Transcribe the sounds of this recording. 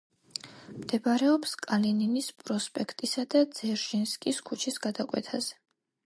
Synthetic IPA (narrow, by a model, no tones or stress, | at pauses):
md̪̥ɛbaɾɛɔpskʼalininispʼɾɔspʼɛkʰt̪ʼisad̪ad̪z̥ɛɾʒinskʼiskʰut͡ʃʰisɡad̪akʼwɛ̰t̪ʰazɛ̥